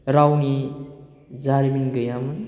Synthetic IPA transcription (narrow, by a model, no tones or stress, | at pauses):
ɾawni | zaɾiminɡɯjamɯn